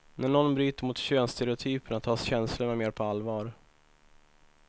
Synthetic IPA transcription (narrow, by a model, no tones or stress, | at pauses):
næɳɔnbɾyːt̪əɾmʊt̪ɕøːnst̪ɛɾɪʊt̪ʰyːpəɳat̪ʰɑːsɕɛnslʊɳameːɾpʰɔalːvɑːɾ